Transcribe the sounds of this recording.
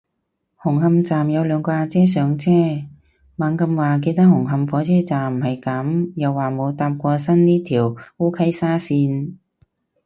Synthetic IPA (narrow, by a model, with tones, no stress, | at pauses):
hʊ˨˩ŋɦɐ˧mt͡saː˨mjɐ˨˧wlœː˨˧ŋkɔː˧aː˧t͡sɛː˥s̬œː˨˧ŋt͡sʰɛː˥ | maː˨˥ŋkɐ˧mwaː˨ke˧jt̪ɐ˥k̚ɦʊ˨˩ŋɦɐ˧mfɔː˨˥t͡sʰɛː˥t͡saː˨˩m̩˨˩hɐ˨jkɐ˨˥mjɐ˨wːaː˨˩mo˨˧wt̪aː˧m̚kʷɔː˧sɐ˥nniː˥t̪ʰiː˨˩wuː˥kʰɐ˥jsaː˥siː˧n